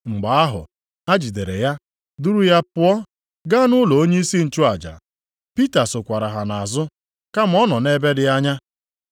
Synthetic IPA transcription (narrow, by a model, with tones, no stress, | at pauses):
ŋ͡m̩˨ɡ͡ba˨a˦ɦʊ̰˨ | a˦d͡ʒi˨de˨ɾḛ˨ja˦ | du˦ɾu˦ja˦pʊ˦ɔ˦ | ɡa˦nʊ˦lɔ˨o˦ɲe˦i˦si˦n̩˨t͡ʃʊ˦a˨d͡ʒa̰˨ | pi˦ta˨sʊ˨kʷa˨ɾa˨ɦa˨na˨zʊ˦ | ka˦m̩˨˦ɔ˦nɔ˨ne˦be˦dɪ˦a˦ɲa˦